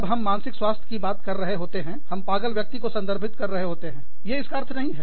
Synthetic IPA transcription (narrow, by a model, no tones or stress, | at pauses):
bɦɐmːãːnsɪkswaːst̪ʰjkibaːt̪kɐɾːɐɦeɦoːt̪eɦɛ̃hɐmpaːɡəlʋjək̚t̪ikosɐ̃nd̪əɾbʱɪt̪kɐɾːɐɦeɦoːt̪eɦɛ̃ː | jeɪskaɐɾt̪ʰnɐɦĩɦɛ̰ː